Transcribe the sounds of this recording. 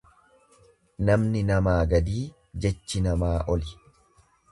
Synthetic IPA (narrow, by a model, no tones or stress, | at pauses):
nɐmnɪnɐmaːɡɐd̪iː | d͡ʒɛt͡ʃːɪnɐmaːʔɔlɪ